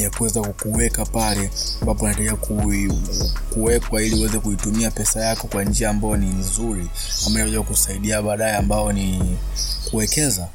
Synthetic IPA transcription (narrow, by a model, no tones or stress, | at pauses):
jakuwɛzakukuwɛkapalɛambapɔnatakiaku | kuwɛkwailiuwɛzɛkuitumiapɛsajakɔkwand͡ʒiaːmbajɔninzuɾi | amaajaakusaiɗiaɓaɗaɛambaɔni | kuwɛkɛza